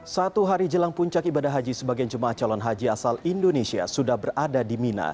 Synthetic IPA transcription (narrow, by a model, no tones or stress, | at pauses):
sat̪uɦaɾid͡ʒəlaŋpuɲt͡ʃakibadaɦad͡ʒisəbaɡiand͡ʒumaʔaht͡ʃalɔnɦad͡ʒiasalindonesia̰sudahbəradadimina̰